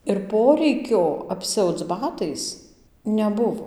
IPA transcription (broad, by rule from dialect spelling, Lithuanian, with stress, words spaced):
ɪr ˈpoːrʲɛɪkʲoː ɐpʲˈsʲɛʊt͡s ˈbɑːtɐɪs nʲɛˈbʊʋoː